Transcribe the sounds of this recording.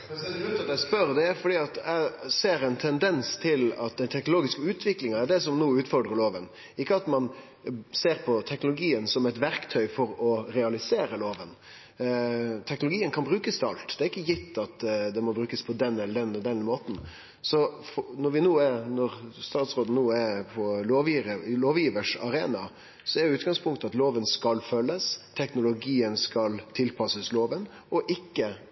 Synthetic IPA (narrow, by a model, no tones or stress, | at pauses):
ɛɛʉt̪ɑt̪æɪspœɾd̪ɛæɾfɔɖiːɑt̪æɪseːɾɛnt̪ʰɛnd̪ɛnst̪ʰɪlɑt̪̚d̪ɛnt̪ʰɛknʊloːɡɪskəʉːt̪ʰʋɪklɪŋɑæɾɖ̪ɛsɔmnuːʉːt̪fɔɾɖɾəloːʋən | ɪkːəɑt̪mɑn | seːɾpʰɔt̪ʰɛknʊlʊɡiːənsɔmɛt̪ʋæɾkt̪ʰœʏfɔɾɔɾɛɑlɪseːɾəloːʋən | t̪ʰɛknʊlʊɡiːənkʰɑnbɾʉːkəst̪ʰɛɑ̰lt̪d̪ɛæɾɪkːəjɪt̪ːɑt̪d̪ɛmɔbɾʉːkəspʰɔd̪ɛnːɛləɾɖ̪ɛnːd̪ɛnmoːt̪n̩ | sɔfnɔɾʋɪnuːæɾnɔɾst̪ɑːt̪sɾoːd̪n̩nuːæpʰɔloːʋjiəloːʋjiːʋəʂɑɾeːnɑ | sɔɛɾjʊʉːt̪̚ɡɑŋspʰʊŋkt̪ɑt̪loːʋənskɑlfœlːəst̪ʰɛknʊlʊɡiːənskɑlt̪ʰɪlpʰɑsəsloːʋən | ɔʔɪkːə